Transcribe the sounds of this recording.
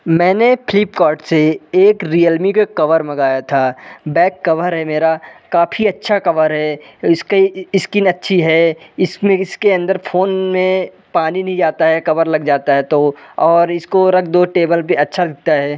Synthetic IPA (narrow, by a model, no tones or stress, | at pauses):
mɛ̃ːnepʰɪlɪpkaːɾʈseeːkɾiəlmikokɐʋəɾmɐɡaːjat̪ʰaːbɛːkːɐʋəɾɦɛmeːɾakaːpʰiɐtːʃʰakɐʋəɾɦɛɪskeɪskɪnɐtːʃʰiɦɛɪsmẽɪskeɐ̃nd̪əɾpʰoːnmẽ | paːninɐɦĩd͡ʒaːt̪aɦɛkɐʋəɾlɐɡd͡ʒaːt̪aɦɛt̪oɔːɾɪskoɾɐk̚ʰd̪oʈeːbəlpeɐtːʃʰad̪ɪk̚t̪aɦɛː